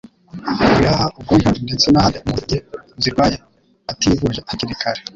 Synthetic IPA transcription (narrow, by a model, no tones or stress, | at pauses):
βuɾahaʔub̚ɡondet͡senaɾemuɟeziɾɡwaːje | ativuʒeʔaciɾikʰaɾe